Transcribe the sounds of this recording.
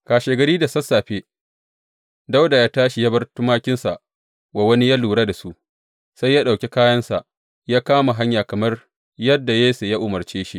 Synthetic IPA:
kaː˨ʃeː˨ɡɐ˨ɾiː˦da˨sɐ˦saː˨ɸeː˦ | da˦wda˨jaː˦taː˦ʃi˨ja˦bɐ˦rtʊ˦maː˦kʲɪ˦nsa̰˨ʔ | wa˨wɐ˦ni˦jaː˦luː˨ɽa˦da˨su˦ʔ | sa˦jːaː˦ɗa˨wkʲe˦kaː˦jɐ˦nsa̰˨ʔ | jaː˦kaː˦ma˨ɦa˦ɲjaː˨kɐ˨mɐ˦r | jɐ˦dːa˨jeː˦se˨jaː˦ʔʊ˨mɐ˨rt͡ʃeː˦ʃi˦ʔ

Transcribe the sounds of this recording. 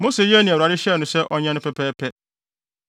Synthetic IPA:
mo˦se˨jɛ˦nĩ˨a˨ɾɪ˦ɕɛ˦˨nʊ̃˨sɛ˦ʔɔ˦ɲɛ̃˦nʊ̃˦pʰɛ˦pʰɛː˦pʰɛ˦

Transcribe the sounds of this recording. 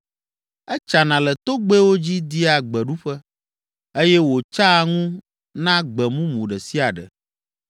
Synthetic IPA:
ɛ˦t͡ʃa˨nã˨lɛ˨t̪o˦ɡ͡be˦wo˦d͡ʑi˦d̪i˦a˨ɡ͡bɛ˨ɖu˦ɸɛ˦ | e˦jɛ˦wo˨t͡ʃa˦˨ŋũ˦ | nã˦ɡ͡bɛ˨mũ˦mũ˨ɖɛ˨si˦a˨ɖɛ̰˨

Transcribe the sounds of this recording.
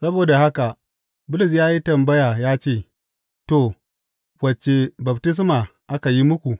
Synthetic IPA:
sɐ˦boː˨da˨ha˦ka˨ | bʊ˦lʊ˨s̬jaː˦ji˦tɐ˨mbɐ˦ja˨jaː˦t͡ʃeː˦˨ | to˨ | wɐ˨t͡ʃe˨bɐ˨btɪ˦s̬maː˨ʔa˦ka˨ji˦mʊ˦kʷu˨

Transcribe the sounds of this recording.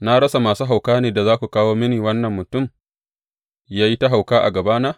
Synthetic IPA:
na˦ɽɐ˦sa˨maː˨suː˦ɦa˨wkaː˦neː˨da˨zaː˦kʷu˨kaː˦woː˦mɪ˦niː˨wɐ˦nːɐ˨mːʊ˨tʊ˦˨m | jaː˦ji˦ta˦ɦa˨wkaː˦ʔa̰˨ɡɐ˨baː˦naː˦

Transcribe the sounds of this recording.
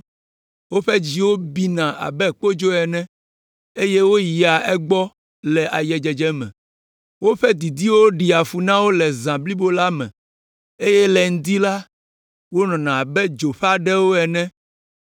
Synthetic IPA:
wo˦ɸɛ˦d͡ʑi˦wo˦bi˦nã˨ʔa̰˨bɛ˦˨k͡po˦d͡ʒo˦ɛ˨nɛ̃˦ | e˦je˦wo˦ji˨a˨ʔɛ˦ɡ͡bɔ˦ | lɛ˨ʔa˨jɛ˨d͡ʒɛ˨d͡ʒɛ˦mɛ̰̃˨ | wo˦ɸɛ˦d̪i˨d̪i˦wo˦ɖi˨a˨fu˨nã˦wo˦lɛ˨zã˨bli˦bo˦la˦mɛ̰̃˨ | e˦jɛ˦lɛ˨ŋ̩˦d̪i˦la˦ | wo˦nɔ̃˨nã˨a˨bɛ˦d͡ʒo˨ɸa˦ɖɛ˦wo˦ɛ˨nɛ̃˦

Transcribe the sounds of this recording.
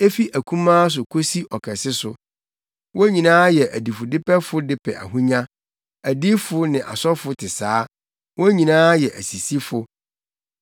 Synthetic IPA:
e˦fi˦ʔæ˨kʰũ˦mãː˦s̬ʊ˨kʰo˦si˦ʔɔ˨kʰɛ˨sɪ˦sʊ˨ | wʔɔ˦ɲĩ˨nãː˦jɛ˨ʔæ˨di˨fʊ˨dɪ˦pɛ˦fʊ˦dɪ˦pʰɛ̰˨ʔæ̰˨ɦũ˦ɲã˦ | æ˨di˦fʊ˦nɪ̃˨ʔa̰˨sɔ˦fʊ˦tʰɪ˨saː˨˦ | wɔ˦ɲĩ˨nãː˦jɛ˨ʔæ˨si˨si˦fʊ˦

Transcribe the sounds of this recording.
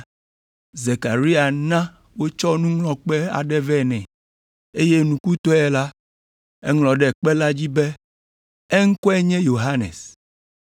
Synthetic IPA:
ze˨ka˨ɾi˦a˨nã˦ | wo˦t͡ʃɔ˦nũ˦ŋlɔ̃˨k͡pɛ˦a̰˨ɖɛ˦vɛ˦nɛ̃˨ | e˦je˦nũ˨ku˦t̪ɔ˦ɛ˨la˦ | ɛ˦ŋlɔ̃˨ɖɛ˨k͡pɛ˦la˦d͡ʑi˦bɛ˦ | ɛ˦ŋ̩˦kɔ˦ɛ˦ɲɛ̃˦jo˨ɦa˦nḛ˨s

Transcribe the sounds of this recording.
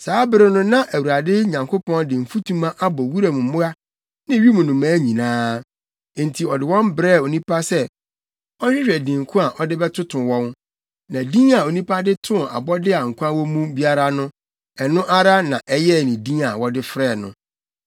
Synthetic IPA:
saː˨˦bɪ˦ɾɪ˦nʊ̃˦nã˦ʔæ˨wu˨a˨dɪ˦ɲã˨ŋkʰo˦pʰɔ̃˦ndɪ̃˨m̩˨fu˦tʰũ˦mã˦ʔa˦bɔ˨wu˦ɾa˨mũ˨mʊ̃˦a˦ | nɪ̃˦ɥi˦mũ˨nʊ̃˨mã˦ɲĩ˨nãː˦˨ | n̩˨tʰi˨ɔ˨dɪ˨wɔ̃˦mbɾɛ˦˨o˨nĩ˦pʰa˦sɛ˦ | ɔ˦ɪ̃˦ɾɛ˨dĩ˨ŋ˨kʰʊ̃˦a˨ʔɔ˦dɪ˦bɛ˦tʰʊ˦tʰʊ̃˨wɔ̃˦n | nã˨dĩ˦a˨o˨nĩ˦pʰa˦dɪ˦tʰʊ̃˦a̰˨bɔ˦dɪ˦a˨ŋ̩˨kʰʷu˦a˦wɔ˦mũ˦bi˦a˦ɾa˦nʊ̃˦ | ɛ˨nʊ̃˦ʔa˦ɾa˦nã˨ʔɛ˦jɛ˦˨nɪ̃˨dĩ˦a˨wɔ˦dɪ˦fɾɛ˦˨nʊ̰̃˨

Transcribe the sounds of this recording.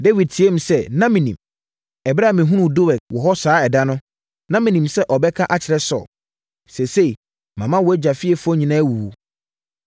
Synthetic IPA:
de˦wi˨d̚tʰi˨˦e˦m̩̃˨sɛ˦nã˦mĩ˨nĩ˨m | ɛ˨bɾa˦˨mɪ̃˨ɦũ˦nũ˨do˦wɛ˨k̚wɔ˨ɦɔ˦saː˨˦ɛ˨da˦nʊ̃˦ | nã˦mĩ˨nĩ˨msɛ˦ʔɔ˨bɛ˦kʰa˦ʔa˦t͡ɕʰɪ˨ɾɛ˦sɔ̰˨ | sɛ˨se˦i˨ | mã˨mã˦wɔ˨˦æ˦d͡ʑa˨fɪ˦ɛ˨fʊ˦ɔ˦ɲĩ˨nãː˦wu˨wo˨

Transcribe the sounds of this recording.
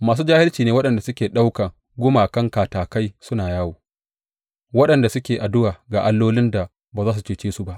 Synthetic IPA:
maː˨s̬uː˦d͡ʒaː˦hɪ˦lt͡ʃiː˨neː˦wɐ˦ɗɐ˨nda˨sʊ˦kʲeː˨ɗa˦wka˨ | ɡʷʊ˦maː˨kɐ˦ŋkaː˨taː˨ka˦jsʊ˦naː˨jaː˦woː˨ | wɐ˦ɗɐ˨nda˨sʊ˦kʲeː˨ʔa˨dʊ˦waː˨ɡaː˨ʔa˦lːoː˦lɪ˦nda˨ | baː˨zaː˦s̬u˨t͡ʃeː˦t͡ʃeː˦su˦ba˦ʔ

